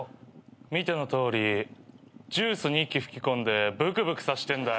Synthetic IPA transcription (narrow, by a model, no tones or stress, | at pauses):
mʲit̪eno̞t̪o̞ːɾʲi | d͡ʑɨːsɨɲ̟ikʲːiɸɯ̟̥kʲikõnd̪e̞bɯ̟kɯ̟bɯ̟kɯ̟̥saɕi̥t̪ẽ̞nd̪a